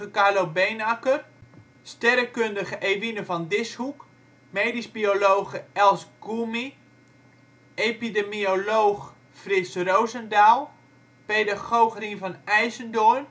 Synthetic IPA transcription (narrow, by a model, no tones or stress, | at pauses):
əkalowbenakər | stɛɾəkøndəɣəʔejʋinəvɔndɪshuk | meːdisbiolowɣəɛlˠsɡ̥umi | epidemioloːx | frɪsrowzəndaːlˠ | peːdaɣowxrinvɔnɛjzəndon